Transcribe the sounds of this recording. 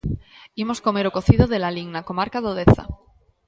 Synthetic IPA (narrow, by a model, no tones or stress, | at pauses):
imo̞sko̞me̞ɾo̞ko̞θiðoðelaliŋnako̞maɾkaðoðeθa̰